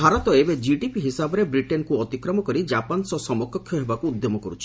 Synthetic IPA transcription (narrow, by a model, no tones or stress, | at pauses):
bʱaɾɔt̪ɔebed͡ʒiɖipiɦisabɔɾebɾiʈenkuɔt̪ikɾɔmɔkɔɾid͡ʒapansɔsɔmɔkɔkʰjɔɦebakuːd̪jomɔkɔɾut͡ʃʰi